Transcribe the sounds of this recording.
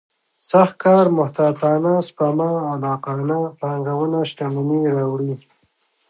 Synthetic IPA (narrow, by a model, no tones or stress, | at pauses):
saxt̪̚kɑːɾmʊht̪aːt̪ɑːnaspamaːlɑːqɑːnapaŋɡawənaʃʈaməniɾɑwɽi